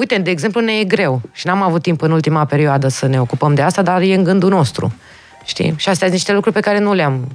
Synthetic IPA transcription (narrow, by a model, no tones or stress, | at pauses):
ujt̪e̞d̪eːɡze̞mplunejeɡɾe̞wʃinamavut̪ːimpɨnult̪imape̞ɾioad̪əsəne̞o̞kupəmd̪east̪ad̪arje̞ɨŋɡɨnd̪uno̞st̪ɾṵ | ʃt̪ḭʃiast̪ejasniʃt̪e̞lukɾuɾʲpe̞kaɾe̞nuleam